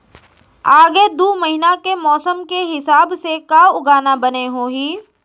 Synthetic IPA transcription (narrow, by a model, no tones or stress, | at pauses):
aːɡed̪uːmɐɦinakemɔːsəmkeɦɪsaːbsekaʊɡaːnabəneɦoːɦiː